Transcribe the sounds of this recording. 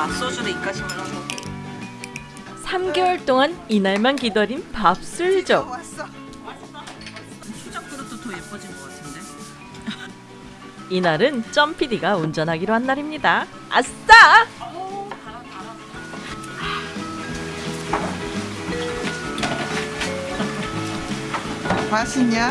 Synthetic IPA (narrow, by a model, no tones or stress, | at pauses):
s͈osʰuɾeik͈ad͡ʑʰimɯɾao | sʰamɡeʌɭt͈oŋaninaɭmankidʌɾinpap̚s͈ɯɭd͡ʑo | t͡ɕʰud͡ʑʌk̚t͈ɯɾot͈ʰotojepʰʌd͡ʑinmoɡatʰɯnde | inaɾɯnt͡ɕ͈ʌmpʰidiɡaund͡ʑʌnɦaɡiɾoɦanːaɾimɲida | a̰st͈a | a | maɕʰiɲa